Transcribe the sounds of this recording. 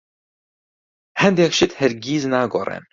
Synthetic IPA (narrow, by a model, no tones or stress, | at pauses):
hɛnd̪ekʃɪt̪hɛɾɡiːznaːɡorɛ̰n